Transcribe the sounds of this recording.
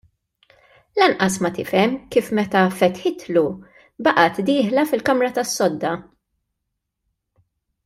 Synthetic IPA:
lɐnʔɐsmɐt̪ɪfɛmkiːfmɛt̪ɐfɛt̪ħɪt̪lu | bɐʔɐt̪d̪iːħlɐfɪlkɐmɾɐt̪ɐsːɔd̪ːɐ

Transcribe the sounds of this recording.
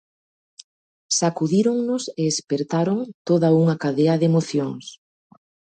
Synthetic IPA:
sakuðiɾoŋnʊseespeɾt̪aɾoŋt̪oðɐuŋɐkaðeɐðemoθjoŋs

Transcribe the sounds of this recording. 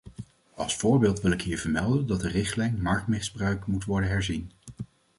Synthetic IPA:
ɑ̰lˠsfʊːɹbeːlˠtʋɪlɪkɦiːɹvəɹmɛlˠdəndɑtdərɪχtlɛjnmɑɹk̚tmɪzbrœɥkmutʋɔɹdənɦɛɹzin

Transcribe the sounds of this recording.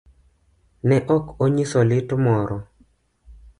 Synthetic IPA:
nɛʔɔkoɲisɔlɪtmɔɾɔ

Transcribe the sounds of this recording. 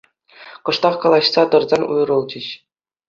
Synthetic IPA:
kɤ̆ʂt̪ɑχkɑlˠɑɕsɑt̪ɤ̆rzɑnʲṵjrɤ̆lˠd͡ʑɘ̆ɕ

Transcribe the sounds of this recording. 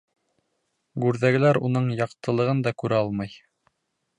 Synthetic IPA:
ɡʉɾðæɡɘ̆læɾunɤɴjɑqt̪ɤ̆lˠɤ̆ʁɤnd̪ɑkʉɾæɑlˠmɑj

